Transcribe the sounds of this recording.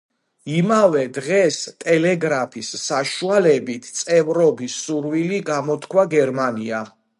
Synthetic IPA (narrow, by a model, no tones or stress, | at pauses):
imavɛd̪ʁɛst̪ʼɛlɛɡɾapʰisːaʃualɛbit̪ʰt̪sʼɛvɾɔbisuɾwiliɡamɔt̪ʰkʰwaɡɛɾmania